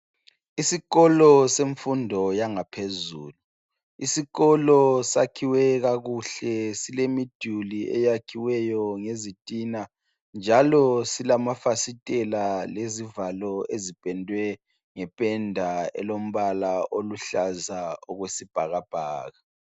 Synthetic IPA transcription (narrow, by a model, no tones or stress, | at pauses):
isiɣɔlɔseɱfundʱɔjaŋapʰezuːlu | isiɣɔlɔsakʰiwɛɣaɣuɬɛsilemid̥ʱuliʔɛ̰jakʰiwɛjɔŋezitʼina | nd͡ʒʱalɔsilamafasitʼɛlalezivalɔezipʼɛndʱwɛ | ŋɛpʼɛndʱaɛ̰lom̩βalaʔoluɬazaɔɣwesib̥ʱaɣab̥ʱaːɣa